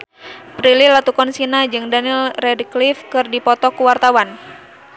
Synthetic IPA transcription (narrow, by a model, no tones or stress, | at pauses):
pɾililat̪ukɔnsinad͡ʒɨŋdanilrɛdklifkɨrdipɔt̪ɔkuwart̪awan